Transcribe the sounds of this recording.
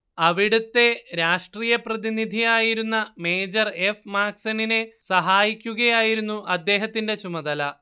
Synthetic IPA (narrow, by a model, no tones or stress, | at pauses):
ɐʋiɽut̪ːe̞ɾaːʂʈriːjɐprɐðinid̪ʱijaːjiɾunːɐme̞ːd͡ʑɐre̞fmaːksɐnine̞sɐɦaːjikʲːuɣɐjaːjiɾunːuʔɐd̪ːe̞ːɦɐt̪ːinde̞t͡ɕumɐðɐlɐ